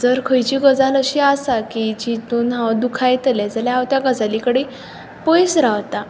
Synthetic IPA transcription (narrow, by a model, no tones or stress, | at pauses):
d͡zəɾkʰəjt͡ɕiːɡəd͡zaləɕiːasakid͡ʑit̪uːnɦãd̪ukʰajt̪lɛd͡zaljaɦaʋt̪jaɡəd͡zalikəɽe | pɔjsɾaʋt̪a